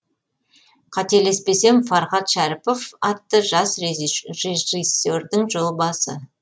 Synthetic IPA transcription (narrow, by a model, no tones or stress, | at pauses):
qʰɑt̪e̞le̞spe̞se̞mfɑɾχɑt̪ʃæɾɪpo̞fɑt̪ːəʒɑsreʒʒisːord̪ɪŋʒo̞lˠbɑsə̰